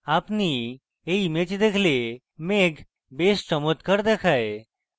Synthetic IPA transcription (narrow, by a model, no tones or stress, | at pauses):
apni | eimet͡ʃd̪ekʰle | meɡ | best͡ʃəmot̪kəɾd̪ekʰaje